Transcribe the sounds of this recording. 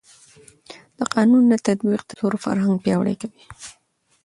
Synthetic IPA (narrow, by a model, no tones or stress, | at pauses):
d̪̥əqɑnunːat̪ad̪biq̚d̪̥ət̪oɾofa̰ɾɦaŋɡ̚pjɑwɽə̰jkawi